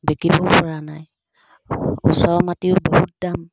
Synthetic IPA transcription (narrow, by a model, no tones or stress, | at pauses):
bekibɔpɔɹanaj | ṵsɔɹmatiʊbɔɦut̚dam